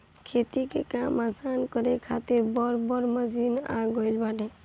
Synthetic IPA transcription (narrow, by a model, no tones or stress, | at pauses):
kʰet̪ikekamasankəɾekʰat̪iɾbɔɾbɔɾməd͡ʒina̰ɡəɪlbaʈe